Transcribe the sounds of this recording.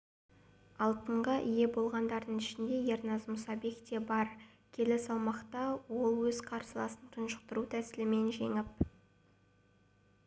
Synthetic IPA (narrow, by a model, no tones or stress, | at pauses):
ɑlˠt̪əɴʁɑʔije̞bo̞lˠʁɑnd̪ɑɾd̪əɴɪʃɪnd̪e̞je̞rnɑzmʊsɑbe̞kt̪e̞bɑɾ | kʲʰe̞lɪsɑw̪ˠmɑqt̪ɑwo̞lˠwɵzqʰɑɾsəlˠɑ̰sənt̪ʰʊnʃə̥qt̪əɾut̪ʰæsɪlɪme̞nʒe̞̰ŋɪp̚